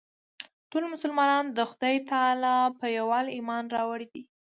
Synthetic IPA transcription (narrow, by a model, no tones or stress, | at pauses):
ʈolmʊsʊlmɑnɑnd̪əxʊd̪ɑjt̪ɑlɑpəjawɑlimɑnɾɑwaɽid̪i